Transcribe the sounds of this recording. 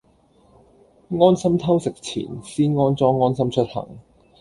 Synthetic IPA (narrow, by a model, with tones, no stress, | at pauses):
ŋɔː˥nsɐ˥mt̪ʰɐ˥wsɪ˨k̚t͡sʰḭː˨˩nsiː˥nŋɔː˥nt͡sɔː˥ŋːɔː˥nsɐ˥mt͡ʃʰɵ˥t̚hɐ̰˨˩ŋ